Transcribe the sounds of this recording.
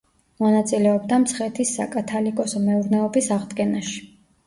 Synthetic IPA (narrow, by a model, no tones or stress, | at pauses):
mɔnat̪sʼilɛɔbd̪amt̪sʰχɛt̪ʰisːa̰kʼat̪ʰalikʼɔsɔmɛuɾnɛɔbisaʁd̪ɡɛnaʃi̥